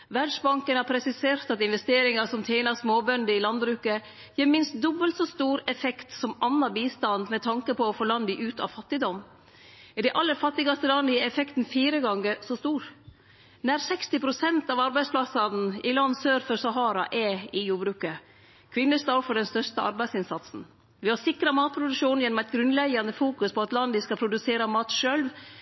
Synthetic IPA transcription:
ʋæɖʂbɑŋkənhɑpʰɾɛsɪseːɾt̪ɑt̪ɪnʋɛst̪eːɾɪŋɑsɔmt̪ʰɛɪnɑɾsmoːbœnd̪əɪlɑnd̪bɾʉːkə | jeːmɪnst̪̚d̪ɔbːəlt̪sɔst̪uːɾɛfɛkt̪sɔmɑnːɑbiːst̪ɑnd̪mɛt̪ʰɑŋkəpʰɔːfoːlɑnd̪ɪʔʉːt̪ɑ̰ʋfɑt̪ːɪd̪ɔm | ɪd̪ɛʔɑlːəɾfɑt̪ːɪɡɑst̪əlɑnd̪ɪɛfɛkt̪n̩fiːɾəɡɑŋːəsɔst̪uːɾ | næɾsɛkst̪ɪpʰɾʊsɛnt̪ɑʋɑɾbæɪsplɑsɑn̩ɪlɑnːsøːɾfəɾsɑɦɑːɾɑ̰ʔɛɪjuːbɾʉːkə | kʰʋɪnːəst̪ɑfɔɖɛnst̪œɾst̪əʔɑ̰ɾbæɪsɪnsɑt̪sn̩ | ʋɪhɑɾsɪkɾɑmɑːt̪̚pʰɾʊd̪ʉkʂuːnjɛnːɔmɛt̪ɡɾʉnlɛɡɑnəfuːkʉspʰɔɑt̪lɑnd̪ɪskɑpʰɾʊd̪ʉseːɾɑmɑːt̪ʃølʋ

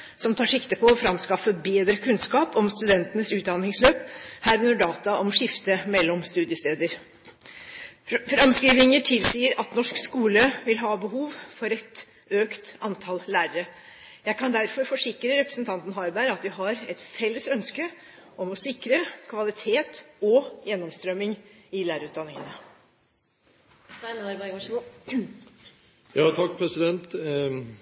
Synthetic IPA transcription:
sɔmt̪ʰɑːʂɪkt̪əpʰɔɔfɾɑmskɑfːəbeːd̪ɾəkʰʉnskɑːpɔmst̪ʉd̪ɛnt̪ənəsʉːt̪̚d̪ɑnɪŋsløːphæːɾʉnəɖɑːt̪ɑʔɔmʂɪft̪əmɛlːɔmst̪ʉːd̪ɪəst̪eːd̪əɾ | fɾɑmskɾiːʋ̪ɪŋəʈʰɪlsiːəɾɑt̪nɔʂkskuːləʋɪlɦɑːbəɦuːʋfɔɾɛt̪ | øːkt̪ɑnt̪ʰɑlːæːɾəɾə | jæɪkʰɑnd̪æɾfɔɾfɔʂɪkɾəɾɛpɾə̥snt̪ʰɑnt̪n̩ɦɑɾbæɪɾɑt̪̚d̪ɪɦɑɾɛt̪fɛlːəsœnskə | ʔɔmɔsɪkɾəkʰʋɑlɪt̪ʰeːt̪ɔjɛnːɔmst̪ɾœmːɪŋɪlæːɾəʉːt̪̚d̪ɑnːɪŋənə | snɑɾbæ | jɑːt̪ʰɑk̚pʰɾɛsɪd̪ɛnt̪

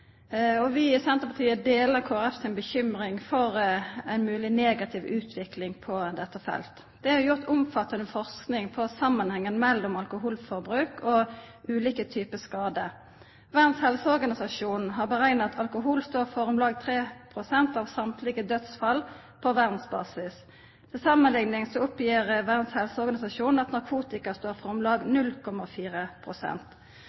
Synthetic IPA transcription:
ɔʋɪɪsɛnt̪ʁəpʰɑt̪ʰiːəd̪eːləʁkʰoːæɾɛfsɪnbəçʏmʁɪŋfɔʁæɪnmʉːlɪneːɡɑt̪ʰɪʋʉːt̪ʰʋɪklɪŋpʰɔd̪ɛt̪ːəfɛ̰lt̪ | d̪̥ɛhɑjʊʁt̪ʊmfɑt̪ːɑnəfɔʁsknɪŋpʰɔsɑmːɑnhɛŋːənmɛlːɔmɑlkʊɦuːlfɔʁbʁʉːkʰɔʔʉːliːkət̪ʰyːpəskɑːd̪ə | ʋæʁd̪shɛlsəɔʁɡɑnɪsɑʂuːnɦɑʁbəʁæɪnɑt̪ʰɑlkʊɦuːlst̪oːʁfɔʁʊmlɑːɡ̚t̪ʰʁeːpʰʁʊsɛnt̪ɑːʋsɑmt̪ʰlɪɡəd̪œt̪sfɑl | pʰɔʋæʁd̪n̩sbɑ̰ːsɪs | t̪ʰɪlsɑmːənlɪŋnɪŋsɔʊpjiːʁəʋæʁd̪shɛlsəɔʁɡɑnɪsɑʂuːnn̩ɑt̪nɑʁkʰuːt̪ɪkɑst̪oːʁfɔʁʊmlɑːɡnʉlkʰɔmɑfiːʁəpʰʁʊsɛ̰nt̪

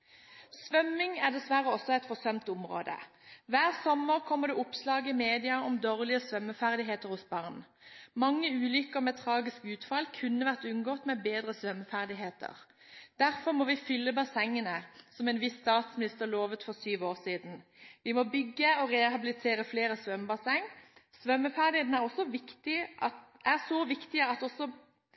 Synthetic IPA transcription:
sʋœmːɪŋæʁd̪ɛsʋæʁəɔsɔæɪt̪fɔsœmt̪ʊmʁo̰ːd̪ə̰ | ʋæːʁsɔməʁkʰɔmːəʁd̪ɛʊpslɑːɡəɪmeːd̪ɪɑɔmd̪oːʁlɪəsʋœmːəfæʁd̪ɪɦeːt̪əʁhʊsbɑʁn | mɑŋːəʉːlʏkəʁmɛt̪ʰʁɑːɡɪskʉːt̪fɑlkʰʉnːəʋæʁt̪ʉnɡoːt̪mɛbeːd̪ʁəsʋœmːfæʁd̪ɪɦeːt̪ʰə̰ʁ | d̪̥æʁfɔʁmɔʋɪfʏlːəbɑsɛŋːənəsɔmɛnʋɪsːt̪ɑːt̪smɪnɪst̪əʁloːʋət̪fɔʁsyːʋoːʁsiːd̪n̩ʋɪmɔbʏɡːəɔʁɛhɑbɪlɪt̪ʰeːɾəfleːɾəsʋœmbɑsɛŋːsʋœmːəfæʁd̪ɪheːt̪næʁɔsːɔʋɪkt̪ɪʔɑt̪ʔæʁsoʋɪkt̪ɪəɑt̪ɔsɔ

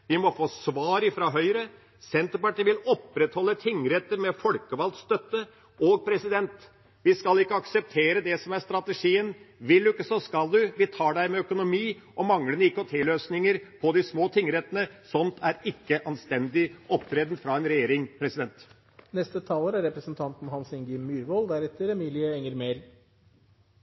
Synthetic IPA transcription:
ʋɪmɔfoːsʋɑːɾɪfɾɑɦœʏɾə | sɛnt̪əɾpɑʈiːʋɪlɔpːɾɛt̪hɔlːət̪ʰɪŋːɾɛt̪ːəɾmɛfɔlkəʋɑlt̪st̪œt̪ːə | oɡ̚pʰɾɛsɪd̪ɛnt̪ | ʋɪskɑlɪkːəɑksɛp̚t̪ʰeːɾəd̪ɛsɔmæɾst̪ɾɑt̪əʂiːənʋɪld̪ʉɪkːəsɔskɑld̪ʉʋɪt̪ʰɑːɖæɪmɛœkʊnʊmiː | ʔɔmɑŋlənɪkɔt̪ʰɛløːsnɪŋəɾpʰɔd̪ɪsmoːt̪ʰɪŋːəɾɛt̪ːənəsɔnt̪ʰæɾɪkːəʔɑnst̪ɛnd̪ɪɔpt̪ʰɾɛːd̪n̩fɾɑɛnɾɛjeːɾɪŋpʰɾɛsɪd̪ɛnt̪ | nɛst̪ət̪ʰɑːləːɾæɾɾɛpɾəsənt̪ʰɑnt̪n̩hɑnsɪŋɡɪmyːɾʋɔld̪æɾɛt̪ːəɾɛmiːlɪəɛŋːəɾmeːɾ

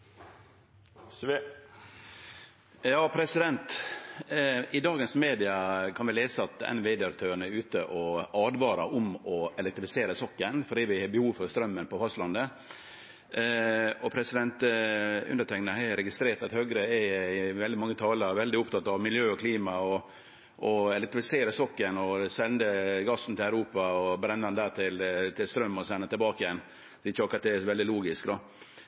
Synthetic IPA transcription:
jɑːpʰɾɛsɪd̪ɛnt̪ | ɪd̪ɑːɡənsmeːd̪ɪɑkʰɑnʋɪleːsəɑt̪ɛ̰nʋeːd̪ɛɑɾt̪ʰøːəɳəʉːt̪əʔɔɑːd̪ʋɑːɾɑʔʊmɔɛlɛkt̪ɾɪfɪ̥seːɾəsɔkːənfɔɖiːʋɪhɑbəhuːʋfɔɾst̪ɾœmːənpɔfɑst̪lɑnd̪ə | ɔpʰɾɛsɪd̪ɛnt̪ʉ̰nd̪əʈ̪ʰɛŋnəhɛɾɛɡɪst̪ɾeːʈt̪ɑt̪høːɡɾəɛɪʋɛld̪ɪmɑŋːət̪ʰɑːləɾʋɛld̪ɪʊpt̪ʰɑt̪ːɑʋmɪljøːɔkʰliːmɑɔ | ʔɔɛlɛkt̪ɾɪfɪseːɾəsɔkːənɔsɛnd̪əɡɑsn̩t̪ɪlæʉɾuːpɑɔbɾɛnːɑnd̪æːʈ̪ʰɪlt̪ʰɪlst̪ɾœmːɔsɛnːət̪ʰɪlbɑːkəjɛn | sɔɪçəɑkːɾɑt̪̚d̪ɛɛsɔʋɛld̪ɪluːɡɪskd̪ɔ

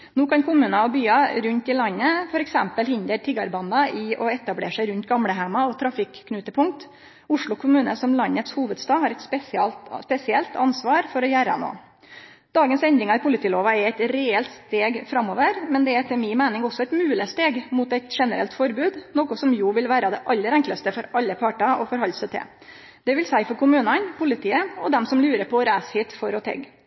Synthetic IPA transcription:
nuːkʰɑnkʰʊmʉːnɑɔbyːɑɾʉnt̪ɪlɑnːəfɔɾɛksɛmpəlhɪnd̪əɾʈ̪ʰɪɡɑɾbɑnd̪ɑʔɪɔɛt̪ɑblḛːʂæɪɾʉnt̪ɡɑmɽəɦæmɑɔt̪ʰɾɑfɪkʰːnʉːt̪əpʰʊŋk̚t̪ | ʊʂɭʊkʰʊmʉːnə̰sɔmlɑnːət̪shuːʋəd̪st̪ɑːd̪hɑɾɛɪt̪spɛsɑlspɛsɪɛlt̪ʰɑnsʋɑːɾfɔɾɔjæːɾɑ̰no̰ː | d̪̥ɑːɡənsɛnd̪ɾɪŋɑɪpʰʊlɪt̪iːloːʋɑɛɾɛɪt̪ɾɛɛlt̪st̪eːɡfɾɑmːoːʋəɾmɛnd̪ɛæt̪ʰɪlmɪnmæɪnɪŋɔsɔɛɪt̪mʉːləst̪eːɡmuːt̪æɪt̪ʂɛnəɾɛ̰lt̪fɔɾbʉːd̪noːkʊsɔmjuːʋɪlʋæːɾɑd̪ɛʔɑlːəɾɛŋklɑst̪əfɔɾʔɑlːəpʰɑːʈɑɔfɔɾhɦɑlsət̪ʰɛ̰ | d̪̥ɛʋɪlsæɪfɔɾkʊmʉːnɑnpʰʊlɪt̪ʰiːəɔd̪ɛmsɔmlʉːɾəɾpʰɔɾæːshiːt̪fɔɾɔt̪ʰɛ̰ɡ

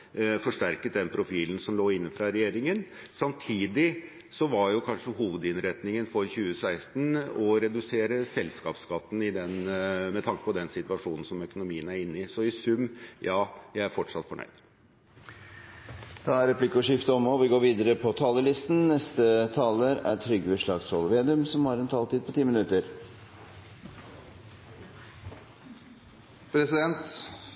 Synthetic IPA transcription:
fɔʂʈæɾkət̪̚d̪ɛnpʰɾʊfiːln̩sɔmloːɪnːəfɾɑɾɛjeːɾɪŋən | sɑmt̪ʰiːd̪ɪ | sɔʋɑɾjʊkʰɑnʂəɦuːʋəd̪ɪnɾɛt̪nɪŋənfɔɾçʉːəsæɪst̪nɔɾɛd̪ʉseːɾəsɛlskɑːpskɑt̪ːn̩ɪd̪ɛnmɛt̪ʰɑŋkə̥pɔd̪ɛnsɪt̪ʋɑʂuːnn̩sɔmœkʊnʊmiːənæɾɪnːɪsɔɪsʉmːjɑːjæɪæɾfɔʈʂɑt̪fɔɳœ̰ʏd̪̥ | d̪̥ɑːæɾɛplɪkːəɔʂɪft̪əɔmːɔʋɪɡoːɾʋiːd̪əɾəpʰɔt̪ʰɑːləlɪst̪n̩nɛst̪ət̪ʰɑːləɾæ̰t̪ʰɾʏɡʋəʂɭɑɡshɔlʋeːd̪ʉmsɔmhɑɾɛnt̪ʰɑːlt̪ʰiːd̪̚pʰɔt̪ʰiːmɪnʉt̪əɾ | pʰɾɛsɪd̪ɛnt̪

